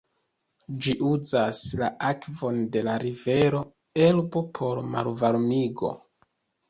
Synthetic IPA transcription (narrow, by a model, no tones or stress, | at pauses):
d͡ʒiʔuzaslaakvo̞nde̞laɾive̞ɾo̞ | e̞lbo̞pʰo̞ɾma̰lvaɾmiɡo̞̰